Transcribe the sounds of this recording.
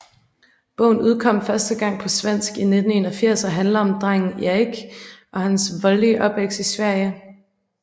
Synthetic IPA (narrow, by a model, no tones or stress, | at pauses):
b̥ɔ̰̽ʊ̰n̩uð̞ˠkʰɒ̽m̰fɶɐsd̥əɡ̥ɑ̈ŋ̰pʰɒ̽sʋen̰sɡ̥ine̝d̥n̩e̝nɐfiɐ̰sɐɦænləɒ̽md̥ʁaŋ̰n̩æiɡ̥ʔɒ̽hænsʋɒ̽ldiəʔɒ̽b̥ʋeɡ̥sisʋæɐ̰jə